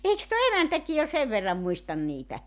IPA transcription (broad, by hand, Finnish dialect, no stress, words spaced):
eiks tuo emæntæki jo seʋ ʋerːɑm muistɑn niːtæ